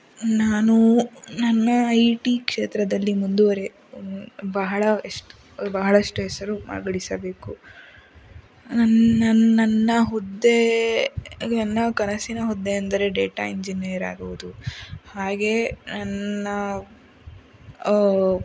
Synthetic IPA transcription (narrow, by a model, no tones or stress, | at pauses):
naːnunɐnːɐɐjʈikʂeːt̪ɾɐd̪ɐlːimund̪uʋɐɾe̞ | bɐɦɐɭɐeʂʈu | bɐɦɐɭɐʂʈuɦɛsɐɾuma̰ɡɐɽisɐbe̞ːku | nɐnːɐnːɐnːɐɦɔd̪ːe | nɐnːɐkɐnɐsinɐɦɔd̪ːeɐnd̪ɐɾe̞ɖeːʈa̰iɲd͡ʒiniɐɾa̰ːɡuʋud̪uhaːɡe̞nɐnːɐ